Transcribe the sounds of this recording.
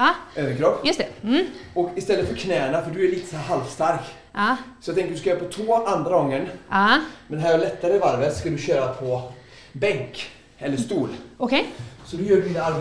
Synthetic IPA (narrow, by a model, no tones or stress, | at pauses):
ɑʔøːvənkʰɾɔpːjɵst̪ | ɔkɪst̪ɛlːət̪fœɾkʰnɛːəɳafœɖɵæɭiːt̪ə̥shæːɾɦalvst̪aɾkː | sɔjat̪ɛŋkəɖɵskajœːɾapʰɔt̪ʰvoːand̪ɾaɡɔŋːən | mɛnd̪ɛɦæːɾɔɭɛt̪ːaɾəɪvaɾvət̪skad̪ɵɕøːɾapʰɔ | bɛŋk | ɛlːəʂt̪uːlɔkesɔd̪ɔjøːɖinaal